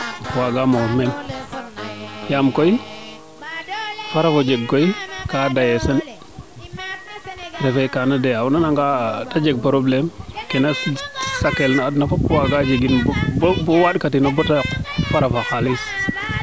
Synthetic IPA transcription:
waɡamomɛn | jamkoj | faɾafod͡ʒeɡkojkadajesan | ɾefejkanadejaunanaŋɡatad͡ʒeɡ̚pɾoblɛmkenassakelnaːdnafapwaɡad͡ʒeɡinbbbɔwaɗkatinabotafaɾafaxalis

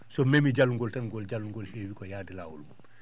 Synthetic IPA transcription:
sɔmemiɟalːuŋɡoltanɡolɟaluŋɡolheːwikɔjaːdilawṵlmu

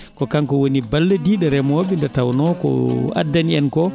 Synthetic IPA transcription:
kɔkaŋkɔwonibalːɛdiɗɛɾɛmobindɛtawnɔkɔ̰a̰dːaniɛnkɔ

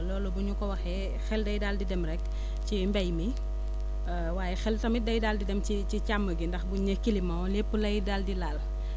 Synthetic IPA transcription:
lɔːlubuɲukɔwɐxɛ | xɛldɐjdaldidɛmɾɛk | cimbɐjmi | waːjɛxɛltɐmidɐjdaldidɛmcicicamːəɡindɐxbuɲɐkːilimɐlepːulɐjdaldilaːl

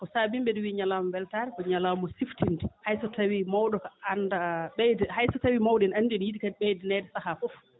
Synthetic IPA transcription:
kɔsabimbɛɗɔwiɲalamɔbɛltaːɾɛkɔɲalamɔsiftindihajsɔtawimawɗɔkaandaɓɛjdɛhajsɔtawimawdɛnanːdiɗjidikaɓɛjdɛnɛːdɛsahafɔf

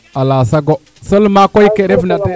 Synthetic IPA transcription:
alasaɡo | səlmakojkeɾevnate

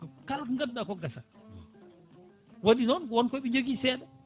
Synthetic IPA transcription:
kalkŋɡaddakɔɡasa | waɗinɔnwɔnkɔjɓiɲd͡ʒoɡisɛɗa

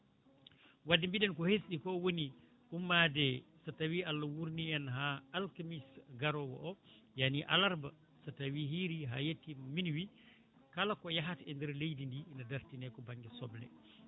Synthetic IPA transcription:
wadːimbiɗɛnkɔhesɗikɔwoni | ʔumːadɛsatawialːawuɾniɛnɦaːlkamisɡaɾɔwɔ̰ʔɔjaniʔa̰laɾba | satawiɦiɾiɦa̰jetːimminwi | kalakɔjaɦatɛndɛɾlejdindiːnadaɾtinɛkɔbaŋɡɛsɔblɛ̰

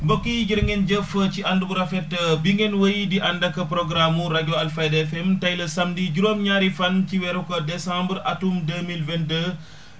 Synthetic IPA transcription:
bokːiɟiɾŋɡenɟəfəciɐndubuɾɐfɛtːəbiŋɡenwəjidiʔɐndɐkɐpɾoɡɾamuɾaɟoɐlfajdfɛmtɐjlɐsɐmdiɟuɾomɲaːɾifɐnciwɛɾukɐdɛsãmbəɾʔɐtumdəmilvɛndə

